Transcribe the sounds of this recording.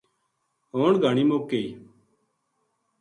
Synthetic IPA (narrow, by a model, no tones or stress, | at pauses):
ɦoːɳɡʱaːɳiːmoːkeː